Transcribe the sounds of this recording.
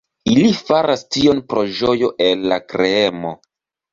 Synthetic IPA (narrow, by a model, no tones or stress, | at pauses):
ilifaɾastio̞npɾo̞ʒo̞jo̞ʔelːakɾeemo̞̰